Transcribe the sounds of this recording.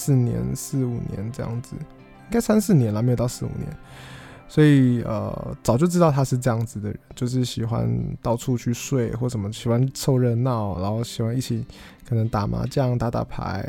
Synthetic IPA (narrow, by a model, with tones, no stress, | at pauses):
s̩˥˩njɛ̰˧˥nsɹ̩˥˩˧u˨˩njɛ̰˧˦nʈ͡ʂɤ˥˧jɑ̰˥˩ŋd͡z̩˨˩ | i˥ŋka˥ɪsa˥nsɹ̩˥˩njɛ˧˥nla˧˩m˧˥jt̪ɑ˥˧ʊsɹ̩˥˩˨ṵ˨˩njɛ̰˧˦n | swɔ˧˥i˨˩ə̰˧˩t͡sɑ˨˩ʊt͡ɕjo˥˧ʈ͡ʂɻ̩˥t̪ɑ˥˩ʊt̪ʰa˥ʂɻ̩˥˧ʈ͡ʂɤ˥˧jɑ˥˩ŋd͡z̩˩d̪ə˩ɻə˦nt͡ɕjo˥˧ʊʂ̬ɻ̩˥˩ɕi˨˩xwa̰˦˥nt̪ɑ˥˧ʊʈ͡ʂʰu˥˧t͡ɕʰy˥˧ʂwe˥˧ɪxwɔ˥˩ʂə˨˩nmə˦ɕi˨˩xwa˦nsʰo˥˧ʊɻə˥˧nnɑ˥˩ʊna˧˥nxo˥˩ʊɕi˨˩xwa˧˦ni˥˩t͡ɕʰi˨˩˦ | kʰɤ˨˩nə˧˦ŋt̪a˨˩ma̰˧˥t͡ɕjɑ˥˧ŋt̪a˥˩t̪a̰˥˩pʰa̰˧˥ɪ